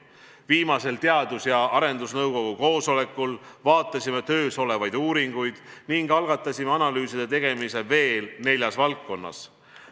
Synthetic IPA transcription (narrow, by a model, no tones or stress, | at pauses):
viːmɑse̞lt̪e̞ɑd̪usjɑɑɾe̞nd̪usnɤwko̞ɡ̥uko̞ːso̞le̞kːˑulvɑːt̪ːˑɑsʲimet̪ø̞ːso̞le̞vɑjd̪̥uːɾiŋɡ̥ujd̪̥niŋɡɑlɡ̥ɑt̪ːˑɑsʲimeɑnɑlyːsid̪et̪e̞ɡ̥e̞mise̞ve̞ːlne̞lʲjɑsvɑlkːo̞nːɑ̰s